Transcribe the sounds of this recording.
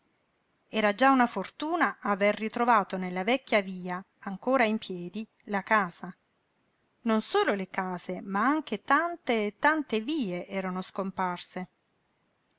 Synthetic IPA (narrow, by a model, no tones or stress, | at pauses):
ɛːɾad͡ʒaunafort̪uːnaʔaverːit̪ɾovaːt̪onelːavɛkʲːjaviːaː | ŋkoːɾaimpjɛːd̪i | lakaːz̥a | nonsoːlolekaːzemaaŋk̟et̪ant̪et̪ːant̪eviːeʔɛːɾanoskomparse